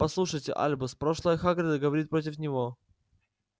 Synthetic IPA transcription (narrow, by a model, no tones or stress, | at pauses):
pɐslˠuʂəjtʲɪ̰ʔa̰lʲbɨspɾoʂlˠəjəxaɡɾʲɪd̪əɡəvɐɾʲit̪pɾot̬ʲɪfnʲɪvo̞